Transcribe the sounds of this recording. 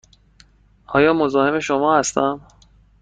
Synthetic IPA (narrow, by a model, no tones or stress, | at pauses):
ʔɒːjɒːmozɒːhe̞me̞ʃo̞mɒːhæst̪æm